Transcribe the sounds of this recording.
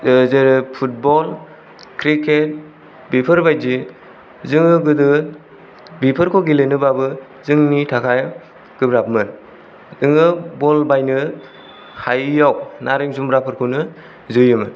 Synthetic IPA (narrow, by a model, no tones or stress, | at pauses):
zeɾɯpʰut̚bɔl | kʰɾikʰet̚ | bipʰɯɾbajdi | zɯŋɯɡɯdɯ | bipʰɯɾkʰɔɡilenɯbabɯ | zɯŋnitʰakʰaj | ɡ̥ɯbɾapmɯn | ɯŋɯbɔlbajnɯ | hajːawnaɾiŋzumbɾapʰɯɾkʰɯnɯ | zɯjɯmɯn